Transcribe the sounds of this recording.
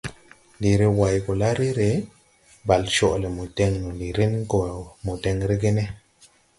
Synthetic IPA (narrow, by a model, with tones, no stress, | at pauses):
li˨ɾe˧wa˨jɡo˨la˦ɾe˦ɾe˨˦ | ba˨lʃo˦˨ʔle˨mu˨te˧ŋno˨li˨ɾe˦n˦ko˨mu˨te˧ŋɾe˦ɡe˦ne˦